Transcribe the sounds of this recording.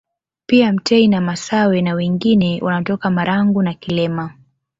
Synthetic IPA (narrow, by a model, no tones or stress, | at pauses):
piam̩tɛinamasawɛnawɛŋɡinɛwʔanatɔkamaɾaŋɡunakilɛma